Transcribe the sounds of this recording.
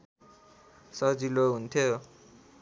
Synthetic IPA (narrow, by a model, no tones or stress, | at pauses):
sʌd͡ziloɦunt̪ʰjo